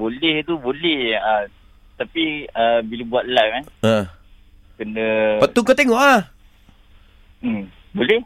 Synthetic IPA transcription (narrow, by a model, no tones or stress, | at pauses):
bolɛht̪ubolɛhə | t̪apiəbilobuat̪̚lamana | kənəpət̪ukət̪eŋɔʔa | m | bolɛh